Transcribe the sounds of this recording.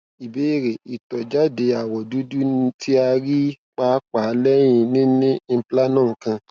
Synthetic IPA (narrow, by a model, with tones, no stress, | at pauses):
i˨be˨˦i˦˨ɾe˨i˨tɔ˨d͡ʒa˦de˧˨a˨wɔ˨du˨˦du˦n˧tʰi˦a˧ɾi˦ | k͡pa˦k͡pa˨˦lɛ˦j̃ĩ˧nĩ˦nĩ˦pla˦nãː˦˨ŋ̩˦kã˧